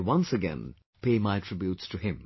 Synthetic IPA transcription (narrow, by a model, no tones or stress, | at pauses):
wʌ̃nsɨɡɛ̰̃n | pʰeːmaɪtʰɹ̥ɪbjutstʰɨɪ̃m